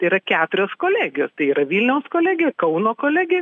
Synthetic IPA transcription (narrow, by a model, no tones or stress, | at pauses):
ɐɪiːɾɐkʲæːt̪ʊɾʲoːskoːlʲæːɡʲɪjoːst̪ɐɪiːɾɐʋʲiːlʲnʲɛʊskoːlʲæːɡʲɪjɛkɐʊnoːkoːlʲæːɡʲɪjɛ